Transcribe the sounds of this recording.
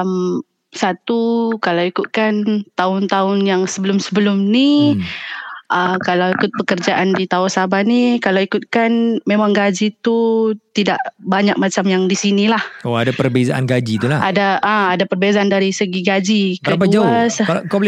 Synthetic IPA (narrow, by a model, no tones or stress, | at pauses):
m | sat̪ukalawikʊt̪̚kant̪aʊnt̪aʊnjaŋsəbəlʊmsəbəlʊmni | ʔəkalawikʊt̪̚bəkərd͡ʒaʔandit̪aasabanikalawikʊt̪̚kanmemaŋɡad͡ʒit̪ut̪idaʔbaɲak̚mat͡ʃamjaŋdisinilahoadapərbezaʔanɡad͡ʒit̪ulaadaʔəadapərbezaandaɾisəɡiɡad͡ʒikɾəapaud͡ʒaaslk